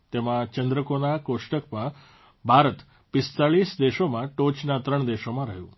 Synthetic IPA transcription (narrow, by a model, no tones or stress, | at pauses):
t̪emãt͡ʃənd̪ɾəkonakoʃʈəkpə̃ | bʱaɾət̪ | pɪst̪aɭisd̪eʃomãʈot͡ʃnat̪ɾəɳ̃d̪eʃomãɾəɦjṵ̃